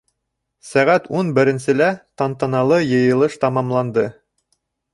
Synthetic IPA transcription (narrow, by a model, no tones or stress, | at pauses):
sæʁæt̪unbɘ̆ɾɘ̆nsɘ̆læt̪ɑnt̪ɑnɑlˠɤjɤ̆jɤ̆lˠɤʃt̪ɑmɑmlˠɑnd̪ɤ